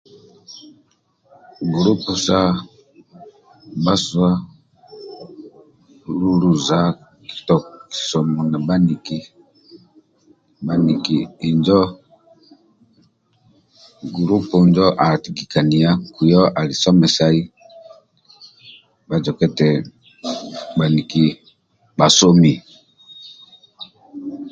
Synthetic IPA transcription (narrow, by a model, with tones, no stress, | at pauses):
ɡu˨ɾu˦pu˨sa˦ | ba˦swa˦ | lu˦ɾu˨za˨ | ki̥˨tɔ˨ki̥˨sɔ˨mɔ˨na˨ba˦ni˨ki˨ | ba˦ni˨kiː˨nd͡ʒɔ˦ | ɡu˨ɾu˦pɔ˨nd͡ʒɔ˦ʔa˨ti˨ki˨ka˨ni˨a˦ku˨jɔ˦ʔa˨li˨sɔ˦mɛ˨sa˦i˦ | ba˨d͡ʒɔ˨kɛ˦tɛ˨ | ba˨ni˨ki˦ | ba˨so˦mi˦